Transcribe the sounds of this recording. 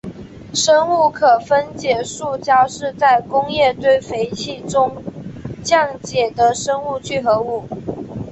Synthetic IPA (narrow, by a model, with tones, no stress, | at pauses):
ʂə˥ŋu˥˩kʰɤ˨˩fə˥nt͡ɕjɛ˨˩ʂu˥˩t͡ɕja˥ʂɻ̩˥˧t͡sa˥˩ɪkʊ˥ŋjɛ˥˧t̪we˥˩ɪfe˧˥ɪt͡ɕʰi˥˩ʈ͡ʂʊ˥ŋt͡ɕjɑ˥˩ŋt͡ɕjɛ˨˩d̪ə˦ʂə˥ŋu˥˧t͡ɕʰy˥˩xɤ˧˥u˨˩˦